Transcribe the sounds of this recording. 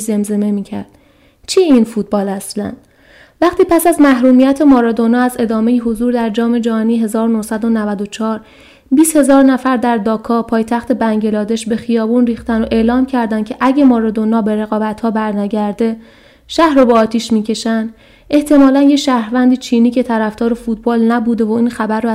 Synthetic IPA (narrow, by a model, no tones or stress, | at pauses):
ze̞mze̞me̞miːcʰæ̰ɾd̪̥ | t͡ʃʰieiːnfuːt̪̚bɒːlæslæ̰nd̪̥ | væχt̪ʰiːpʰæsæzmæhɾuːmijæt̪ʰe̞mɒːɾɒːd̪o̞nɒːæze̞d̪ɒːme̞jiɦozuːɾd̪æɾd͡ʒɒːme̞d͡ʒɒniːɦe̞zɒːɾonohsæd̪o̞nævæd̪o̞t͡ʃʰɒːɾ | biːst̪he̞zɒːɾnæfæɾd̪æɾd̪ɒːkʰɒːpʰɒːjt̪ʰæxt̪ʰe̞bæŋɟe̞lɒːd̪e̞ʃbe̞xijɒːbuːnriːxt̪ænd̪oʔe̞ːlɒːmcʰæɾd̪æncʰe̞ʔæɟemɒːɾɒd̪o̞nɒːbe̞ɾe̞ɣɒːbæt̪hɒːbæɾnæɟæɾd̪e̞ | ʃæhɾobeɒːt̪ʰiːʃmiːcʰe̞ʃænd̪ | e̞ht̪ʰe̞mɒːlænjeʃæhɾvænd̪iːt͡ʃʰiːniːcʰe̞t̪ʰæɾæfd̪ɒːɾe̞fut̪̚bɒːlnæbuːd̪e̞voiːnxæbæɾːo